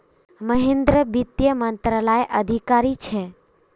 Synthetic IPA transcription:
məɦẽnd̪ɾəbit̪jəmənt̪ɾəlajʔəd̪ʱikaɾit͡ʃʰe

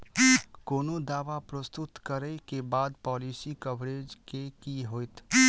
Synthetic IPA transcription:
koːnod̪aːʋapɾəst̪ʊt̪kəɾɛkebaːd̪pɔːliːsikəbɾeːd͡ʒkekiɦoːjt̪ʰ

